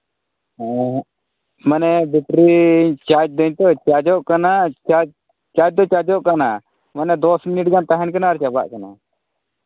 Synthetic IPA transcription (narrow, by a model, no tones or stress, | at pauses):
manɛbiʈɾit͡ʃad͡ʒd̪ɛɲt̪ɔt͡ʃad͡ʒɔʔkanat͡ʃad͡ʒ | t͡ʃad͡ʒ̚d̪ɔt͡ʃad͡ʒɔʔkana | manɛd̪ɔsminiʈ̚ɡant̪aɦɛnkanaɾt͡ʃaba̰ʔkana̰